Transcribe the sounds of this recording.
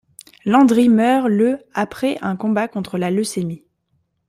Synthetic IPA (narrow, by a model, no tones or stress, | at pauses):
lɑ̃d̪ʁimœʁləapχɛʔɛ̃kɔ̃bakɔ̃t̪χəlaləsemi